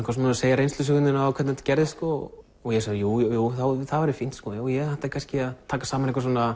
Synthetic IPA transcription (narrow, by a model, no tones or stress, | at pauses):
ɪ̥hkvasmaseːjaɾejnst̪ʏs̬ʏɣʏnɪnaakʰvɛt̪nɛt̪cɛɾðɪskɔː | jɛsaðjuːjuːθawθaðvaɾɪfin̥t̪skɔːjoːwjɛɣhat̪akʰanscɪaðt̪ʰaːkḁsaːmanehkvas̬ɔːna